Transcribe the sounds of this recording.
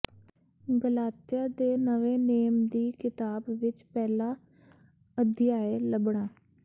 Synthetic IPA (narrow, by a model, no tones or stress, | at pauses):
ɡəlaːt̪ijaːd̪eːnəʋẽːneːmd̪iːkɪt̪aːbʋɪt͡ʃpɛːlaː | əd̪ɪjaːeːləbɳaː